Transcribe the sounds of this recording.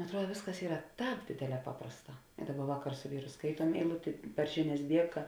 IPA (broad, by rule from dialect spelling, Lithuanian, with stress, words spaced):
ɐtˈruɔt ˈʋʲeːsˌkɐs ˈiːrɐ ˈtɑːp ˈdʲeːdʲeːˌlʲɛː ˈpɑːprɐsˌtɑː ˈdɑːˌbɐ ˈʋɑːˌkɐr sʊ ˈʋʲiːrʊ ˈskɐɪtuɔm ɛɪˈlˠʊtʲeː pɐr ˈʒʲɪˌnʲɛs ˈdʲiɛkɐ